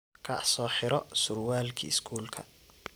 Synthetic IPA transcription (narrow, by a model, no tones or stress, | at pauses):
kʰɐsɔːħɪɾɔsʊrwaːlkʰḭɪskʰuːlkʰɐ̰